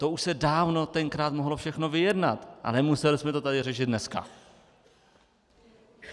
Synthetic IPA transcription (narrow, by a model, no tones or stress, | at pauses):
t̪ouʃsɛdaːvno̞t̪ɛŋkɾaːt̪moɦlo̞fʃɛxno̞vɪjɛdnat̪ʔa̰nɛmusɛlɪsmɛt̪o̞t̪adɪrɛʃɪt̪nɛska̰